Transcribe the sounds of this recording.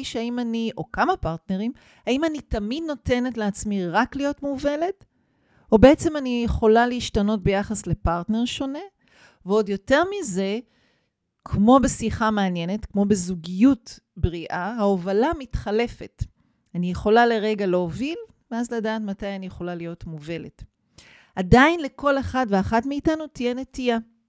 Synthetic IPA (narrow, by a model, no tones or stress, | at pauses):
ʃeaimaniʔo̞kamapaʁtne̞ʁim | aimanitamid̪no̞te̞ne̞tleat͡smiʁaklijo̞tmuve̞le̞t | o̞be̞et͡se̞manijeχo̞laliːʃtano̞t̚be̞jaχasle̞paʁtne̞ʁʃo̞ne̞ | veo̞djo̞te̞ʁmize̞ | kʰmo̞be̞siχameanje̞ne̞tkmo̞bezuɡijut | bʁiʔahaovalamitχale̞fe̞t | anijeχo̞laleʁe̞ɡaloovil | veazladaːtmatajanijeχo̞lalijo̞tmuve̞le̞t | ʔadainle̞ko̞leχadveaχatmiːtanutijene̞tija